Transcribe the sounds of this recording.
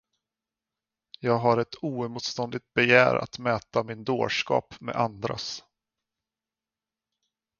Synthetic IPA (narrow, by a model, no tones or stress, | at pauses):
jɑːɡɦaɾɛt̪uːmuːt̪st̪ɔnd̪ɪɡ̚t̪̚bɛjæ̰ːɾa̰t̪mɛːt̪amɪnd̪o̰ːʂkɑ̰ːpmḛʔand̪ɾa̰s